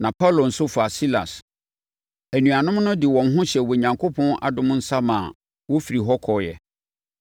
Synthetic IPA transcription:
nã˨pʰa˦˨lo˨n̩˨sʊ˦fa˨si˦la̰˨s | æ˨nũ˨a˨nʊ̃˦mnʊ̃˦dɪ˨wɔ̃˨n˦ɦʊ̃˦ɕɛ˨wɔ˨ɲã˨ŋkʰo˦pʰɔ̃˦nʔa̰˨dʊ̃˦m̃˦n̩˦sa˦mã̰˨ | wɔ˦fi˨ɾi˨ɦɔ˦kʰɔ˨jɛ̰˨

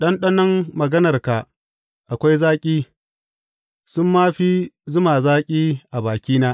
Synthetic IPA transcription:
ɗɐ˦nɗɐ˦nɐ˦mːɐ˨ɡɐ˦nɐ˨rka˨ʔ | ʔa˨kʷa˦jzaː˦kʲʼiː˦ | sʊ˦mːaː˦ɸiː˦zʊ˦maː˨zaː˦kʲʼiː˦ʔa˨baː˨kʲiː˦naː˦ʔ

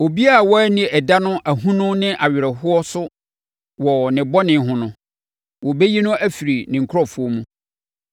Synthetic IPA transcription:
o˨bi˦a˦˨wɔ˦ɛ˦nɪ̃˨ɛ˨da˦nʊ̃˦ʔæ˨ɦũ˦nʊ̃˦nɪ̃˦ʔa˨ɥɪ˨ɾɛ˨hʊ˦ɔ˦sʊ˦ | wɔ˨nɪ̃˨bɔ˦nɪ̃˨˦ɦʊ̃˨nʊ̃˦ | wɔ˨be˦ji˦nʊ̃˦ʔæ˦fi˨ɾi˨nɪ̃˨ŋ̩˨kʰʊ˦ɾɔ˦˨fʊ˨˦o˦mũ˦

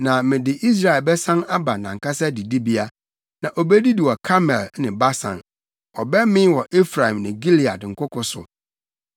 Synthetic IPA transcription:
nã˨mɪ̃˨dɪ˨ʔi˦s̬ɾa˨ɛ˨lbɛ˦sã˦na˦ba˨nã˨ŋ̩˨ka˦sɛ˦di˨di˦bi˦a˦ | nã˨ʔɔ˨bɛ˦di˦di˨wɔ˨kʰa˦mɛ˨lnɪ̃˨ba˦sã̰˨n | ɔ˨bɛ˦mɪ̃˦wɔ˨ʔe˦fɾa˨ĩ˨mnɪ̃˨ɡi˦li˨a˨dŋ̩˨kʰʊ˦kʰʊ˨˦sʊ̰˨

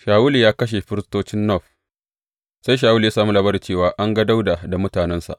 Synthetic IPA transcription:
ʃaː˨wʊ˦li˨jaː˦kɐ˦ʃ̬e˨ɸɪ˦ɾɪ˦stoː˦t͡ʃɪ˦nːɔ˦˨ɸ | sa˦jʃ̬aː˨wu˦li˨jaː˦saː˨mu˦lɐ˦bɐ˦ɾi˨t͡ʃeː˦˨waː˨ʔa˦ŋɡɐ˦da˦wda˨da˨mʊ˦taː˨nɛ˦nsa̰˨ʔ

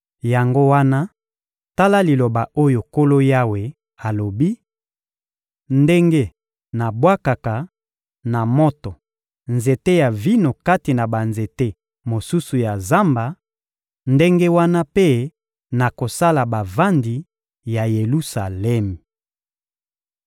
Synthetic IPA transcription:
ja˨ŋɡo˦wa˦na˦ | ta˦la˦li˨lo˨ba˨ʔo˦jo˨ko˦lo˦ja˦we˨ | a˨lo˨bi˦ | nde˦ŋɡe˦ | na˨bwa˦ka˨ka˨ | na˨mo˦tɔ˨ | nze˨te˦ja˨vi˦no˨ka˦ti˨na˨ba˨nze˨te˦ | mo˨su˦su˨ja˨za˦mba˨ | nde˦ŋɡe˦wa˦na˦pe˦ | na˨ko˨sa˦la˨ba˨va˦ndi˨ | ja˨je˨lu˦sa˨lɛ˦mi˨

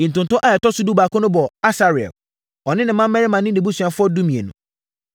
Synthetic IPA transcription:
i˨n̩˨tʊ̃˨n˨tɔ̃˦ʔa˨ɛ˨tɔ˦sʊ˦du˦baː˨kɔ̃˦nʊ̃˦bɔ˨a˦sa˦ɾɪ˨ɛ̰˨l | ɔ˨nɪ̃˦nɪ̃˨mːã˦m˦mɛ˦ɾɪ˦mã˨nɪ̃˦ni˨bu˦sɥã˨fʊ˦ɔ˦du˦mĩ˨ḛ˨nũ˨

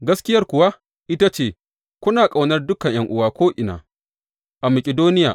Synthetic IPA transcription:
ɡɐ˦skʲɪ˦jɐ˦rkʷʊ˨wa˦ | ʔɪ˦ta˦t͡ʃeː˦˨ | kʷʊ˦naː˨kʼa˨wnɐ˦rdʊ˦kɐ˨ɲj̰ɐ˦ŋʔʊ˦waː˨kʷoː˦ʔɪ˨na̰ː˨ | ʔa˨mɐ˨kʲʼɪ˨doː˦nɪ˦ja̰ː˨

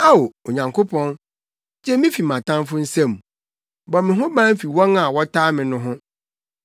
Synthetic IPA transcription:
a˦o˨o˨ɲã˨ŋkʰo˦pʰɔ̃˦n | d͡ʑɛ˦mɪ̃˦fi˨mã˨tʰã˦mfʊ˦n̩˦sɛ̃˦m˨ | bɔ˨mɪ̃˨ɦʊ̃˦bãː˦m̩˦fi˨wɔ̃˦na˨wɔ˦tʰaː˦mɪ̃˨nʊ̃˦ɦʊ̃˦

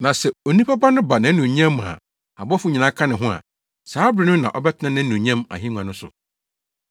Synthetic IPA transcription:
nã˨sɛ˨o˨nĩ˦pʰa˦ba˦nʊ̃˦ba˨nã˨˦nũ˨ɲã˦m˨a̰˨ | a˨bɔ˦fu˨˦ɲĩ˨nã˨kʰã˦nɪ̃˨ɦʊ̃˦a̰˨ | saː˨˦bɾɪ˦nʊ̃˦nã˨ʔɔ˦bɛ˦tʰɪ˦nã˦nɪ̃˦nũ˨ɲɛ̃˦ma̰˨ɦĩ˦ŋ˨ã˨nʊ̃˦sʊ̰˨

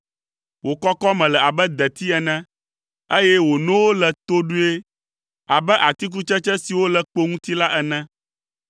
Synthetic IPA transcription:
wo˨kɔ˦kɔ˦mɛ̃˨lɛ˨a˨bɛ˦d̪ɛ˨t̪i˦ɛ˨nɛ̃˦ | e˦jɛ˦wo˨nɔ̃˦wo˦lɛ˨t̪o˦ɖu˦e˦ | a˨bɛ˦ʔa˨t̪i˦k̬u˦t͡ʃɛ˦t͡ʃɛ̃˦si˨wo˦lɛ˨k͡po˦ŋũ˦t̪i˦la˦ʔɛ˨nɛ̃˦

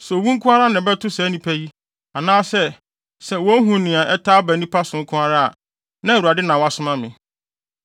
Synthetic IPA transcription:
sɔ˨wũ˦ŋ̩˦kʰʊ̃˦a˦ɾa˦nɪ̃˨bɛ˦tʊ˦sɛ˨˦nĩ˦pʰæ˦ji˦ | a˨nãː˦sɛ˦ | sɛ˨wɔ˦ɦũ˨˦nɪ̃˨a˨ʔɛ˦tʰa˦bæ˨nĩ˦pʰa˦sʊ̃˨ŋ̩˦kʰʊ̃˦a˦ɾa˦a̰˨ | nã˦˨u˨a˨dɪ˦nã˨wa˦sʊ̃˦mã˦mɪ̃˨

